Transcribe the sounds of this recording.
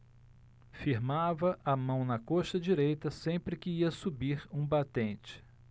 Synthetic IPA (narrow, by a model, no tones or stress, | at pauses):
fiɾmavɐʔɐmɐ̃w̃nɐkoʃt̪ɐd͡ʒiɾejt̪ɐsẽpɾɪkɪiɐsubiɾũbat̪ẽnt͡ʃɪ̥